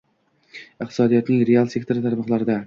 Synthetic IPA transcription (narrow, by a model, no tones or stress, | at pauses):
ɨqt̪ʰɪ̥sɒd̪ijɒt̪nɪŋɾealˠsek̚t̪ʰo̞ɾɪt̪ʰaɾmɒqlˠaɾɪd̪a